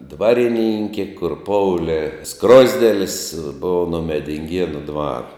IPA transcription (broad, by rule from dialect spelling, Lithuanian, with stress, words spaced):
ˈdʋɑːrʲɪˌnʲɪŋʲkʲeː kʊr ˈpoːʊlʲeː ˈskroːzʲdʲeːlʲɪs ˈboːʊ noː mʲɛdʲɪŋʲˈɡʲiɛnʊ ˈdʋɐr